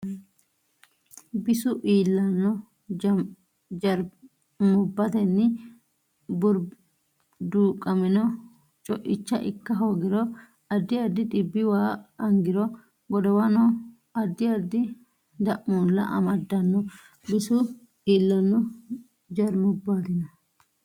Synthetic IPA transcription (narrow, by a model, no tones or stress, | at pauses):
bɪsʊʔiːlːɐnːɔ | d͡ʒɐɾ | mʊbːɐt̪ɛnːɪ | bʊɾ | d̪uːkʼɐmɛnɔ | t͡ʃʼɔʔɪt͡ʃːɐ̰ʔɪkːɐɦoːɡɪɾɔ | ɐd̪ːɪjad̪ːɪt̪ɪbːɪwaːɐŋɡɪɾɔ | ɡɔd̪ɔwɐnɔ | ɐd̪ːɪjad̪ːɪ | d̪ɐʔmuːlːɐ̰ʔɐ̰mɐd̪ːɐnːɔ | bɪsʊ | iːlːɐnːɔ | d͡ʒɐɾmɔbːat̪ɪnɐ